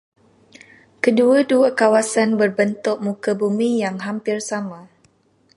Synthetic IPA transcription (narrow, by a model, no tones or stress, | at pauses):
kəduaduakawasanbərbənt̪ʊʔ̚mukabumijaŋɦampɪrsama